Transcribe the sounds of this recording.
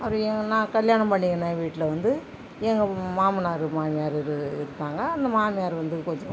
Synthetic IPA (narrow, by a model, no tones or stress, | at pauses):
ɐpːɐɾɔ̃ɛŋɡɐnãːkɐljaːɳɐmpɐɳːɪŋɐnẽːʋiːʈːɪlɐʋɐnd̪ɯ | ɛŋɡɐmaːmɐnaːɾɯmaːmɪjaːɾɪɾɯɪɾɯnd̪aːŋɡɐːnd̪ɐmaːmɪjaːɾʋɐnd̪ɯkɔɲd͡ʒɔ̃